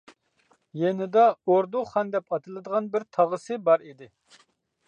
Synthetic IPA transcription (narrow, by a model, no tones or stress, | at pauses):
jɛnɪd̪ɑoɾd̪uχɑnd̪ɛpɑt̪ʰɨlˠɨd̪əʁɑnbɪɾt̪ʰɑʁəsɨbɑɾid̪ɪ